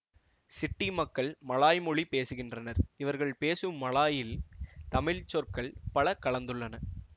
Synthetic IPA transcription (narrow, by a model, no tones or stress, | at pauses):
sɪʈːimɐkːɐɭmɐɭaːjmɔɭipeːsɯɣɪndrɐnɐɾɪʋɐɾɣɐɭpeːsɯmːɐɭaːjɪlt̪ɐmɪɭt͡ʃːɔɾkɐɭpɐɭɐkɐɭɐnd̪ɯɭːɐnɐ